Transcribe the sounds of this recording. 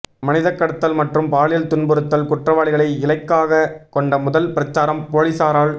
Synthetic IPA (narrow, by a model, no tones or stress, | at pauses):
mɐnɪðɐkːɐɽɐt̪ːɐlmɐʈrɯmpaːɭɪjɐlt̪ʊnbɯɾɯt̪ːɐlkʊʈrɐʋaːɭɪɣɐɭɐɪɪlɐɪkːaːɣɐkɔɳɖɐmʊðɐlpɪɾɐt͡ʃːaːɾɐmpoːɻɪsaːɾaːɭ